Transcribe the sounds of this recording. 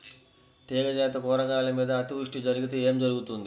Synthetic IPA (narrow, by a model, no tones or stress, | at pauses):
t̪ɛːɡɐd͡ʒɛːt̪ɐkɔːɾɐɡaːlɐmiːd̪ɐːt̪iʂʈid͡ʒɐɾuɡit̪eeːmd͡ʒɐɾuɡut̪und̪i